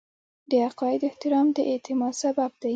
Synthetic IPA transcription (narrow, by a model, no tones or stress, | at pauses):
d̪əaqɑjɪd̪ɪht̪ɪɾɑmd̪əʔet̪ʰɪmɑsabab̚d̪̥a